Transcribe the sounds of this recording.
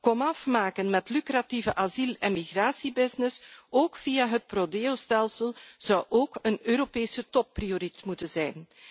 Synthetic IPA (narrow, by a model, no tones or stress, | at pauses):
kɔmɑfmaːkənmɛtlykɾativəʔazilɛnmiɣraːsibɪznɪsoːkfijaɦət̚prodeːostɛlˠsəlˠz̥ɑwʔoːkənøːɾopeːsətɔp̚ːrijoɾitmutənzɛjn